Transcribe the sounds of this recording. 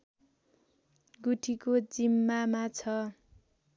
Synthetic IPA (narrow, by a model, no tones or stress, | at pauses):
ɡuʈʰikod͡zimːamat͡sʰʌ